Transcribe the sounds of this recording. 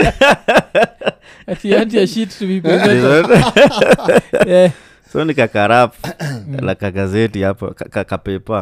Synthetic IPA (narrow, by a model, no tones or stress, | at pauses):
tiatiaʃittuipɛizɔt | sɔnikakaɾaplakaɡazɛtiapa̰kakakapɛpa